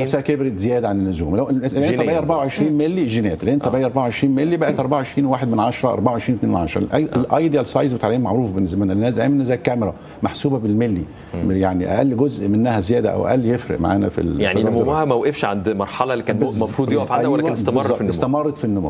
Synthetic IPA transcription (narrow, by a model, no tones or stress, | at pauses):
sæːʔkebɾezejæːd̪æʕanenːʊzuːmlæʔæʔʔnt̪æbæjʔɑɾˤbaʕawʕeʃɾiːnmelːiʒinæːt̪læʔent̪æbæʔæjʔɑɾˤbaʕaʕeʃɾiːnmelːibæʔet̪ʔɑɾˤbaʕaʕeʃɾiːnwwaːħed̪menʕɑʃɑɾˤɑʔɑ̰ɾˤbaʕawʕeʃɾiːnwet̪neːenʕɑʃɾ̰ˤlʔjʔelʔɑjd̪iælsˤɑjzbet̪ʕliːnmaʕɾˤuːfbenːesmenælnːæːsd̪ʔæːmnːezæːkːæmeɾˤɑ | maħsuːbæbelmelːi | jaʕniʔæ̰ʔælːiɡozʔmenːæhæzejæːd̪æʔæ̰wʔæ̰ʔælːjefɾɪ̰ʔma̰ʕa̰ːnæ̰fḭljaʕniˤmumhæmæwʔefʃʕand̪mɑɾˤħɑlɑlːikæːnmɑfɾˤuːd̪joʔæfʕaæwlːnest̪ɑmɑzˤrːfinːest̪æmɑrˤːɑt̪finːʊmṵː